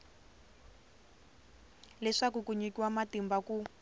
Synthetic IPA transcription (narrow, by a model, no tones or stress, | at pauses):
lɛʂakukuɲikiwamatimbaku